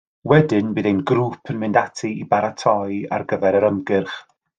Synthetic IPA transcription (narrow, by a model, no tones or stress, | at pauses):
wɛdɪnbɨːðejnɡɾuːpʰənmɪndatʰiibaɾatʰɔja̰rɡəvɛɾəɾəmɡɪrχ